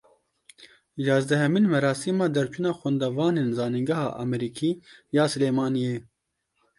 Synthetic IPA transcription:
jɑːzd̪ɛɦɛminmɛɾɑːsiːmɑːd̪ɛɾt͡ʃʰunɑːxʷɛnd̪ɛvɑːneːnzɑːniŋɡɛhɑ̰ːʔɑ̰mɛɾiːkʰiːjɑːsɨleːmɑːnijeː

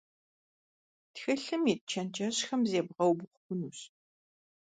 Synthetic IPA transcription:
txɐɬɨmiːt̚t͡ʃʰɐnt͡ʃʰʼɐɕxɐmzeːbʁɐwbʊχʷʊkʷʊnuːɕ

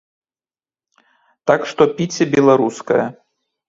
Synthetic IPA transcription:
t̪akʂt̪ɔpʲit͡sʲɛbʲɛlˠaɾuskɐjɐ

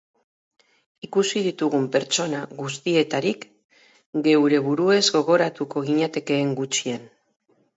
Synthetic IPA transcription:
ikusið̞it̪uɣ̞umpe̞ɾt͡ʃo̞naɣust̪ie̞t̪aɾik | ɡe̞wɾe̞βuɾue̞zɡo̞ɣ̞o̞ɾat̪uko̞ɣiɲat̪e̞ke̞ːŋɡut͡ʃian

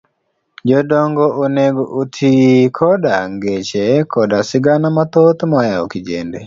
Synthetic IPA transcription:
d͡ʒɔdɔŋɡɔʔoneɡoʔotʰikʰɔdaŋɡet͡ʃekʰɔdasɪɡanamat̪ot̪majao̰kɪd͡ʒḛndḛ

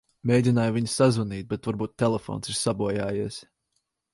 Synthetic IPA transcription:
mʲejd̪ʲinaːjviɲsazvuniːt̪̚bɛt̪vaɾbuːt̪ʲːɛlˠɛfɔ̰ːnsiɾsabuɔjaːjiɛs

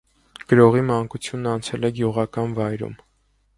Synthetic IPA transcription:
ɡ̥əɾɔʁimɑŋkut͡sʰjunːɑnt͡sʰɛlɛɡjuʁɑkɑnvɑjɾṵm

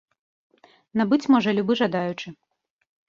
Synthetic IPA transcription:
nabɨt͡sʲmɔʐɐlʲubɨʐad̪ajut͡ʂɨ

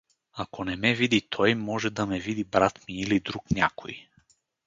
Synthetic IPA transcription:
akonɛmɛvid̪it̪ʰɔjmɔʒɛd̪ɐmɛvid̪ibɾat̪miːlid̪ɾuknʲakʰo̰j

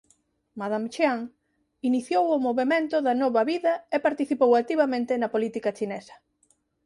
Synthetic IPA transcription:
mað̞amt͡ʃaŋ | iniθjowʊmoβemẽnt̪ʊðɐnɔβɐβiðɐepaɾt̪iθipowat̪iβɐmẽnt̪ɪnɐpolit̪ikɐt͡ʃinesɐ̥

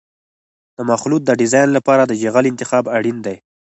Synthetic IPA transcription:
d̪̥əmaxlut̪̚d̪əɖɪzɑjnlapɑɾad̪əʒeɣalɪnt̪ɪxɑbaɽind̪aj

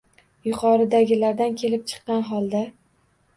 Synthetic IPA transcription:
jʊqʰɒɾɪd̪aɡʲɪlaɾd̪ankʲʰe̞lɪp̚t͡ʃʰɨ̥qːɑnɦɒlˠd̪a

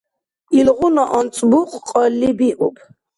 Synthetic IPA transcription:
ilʁunɔʔɔnt͡sʼbuqʼqʼɔlːibiʔupʰ

